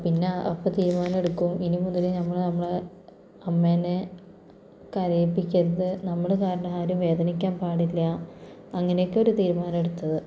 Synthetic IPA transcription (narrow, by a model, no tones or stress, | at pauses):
pinːeɐpːɐt̪iːɾumaːnɐmeɽukːuminimund̪ːɐlinɐmːɐɭnɐmːɐɭ | ɐmːeːne | kɐɾɐjpːikʲːɐɾɐðɨnɐmːɐɭkaːɾɐɳɐmaːɾumʋe̞ːd̪ɐnikʲːaːnpaːɽilːɐaɐŋːɐnejokːo̞ɾut̪iːɾumaːnɐmeɽut̪ːɐðɨ